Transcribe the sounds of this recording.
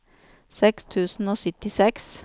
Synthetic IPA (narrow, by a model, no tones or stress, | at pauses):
sɛkst̪ʰʉːsn̩oːsʏt̪ɪsɛks